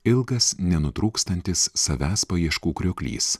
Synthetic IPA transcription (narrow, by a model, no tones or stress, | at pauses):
ɪlˠɡɐsnʲɛnʊt̪ɾuːkst̪ɐnʲt̪ʲɪsːɐʋʲæːspɐjiɛʃkuːkɾʲʊkʲlʲḭːs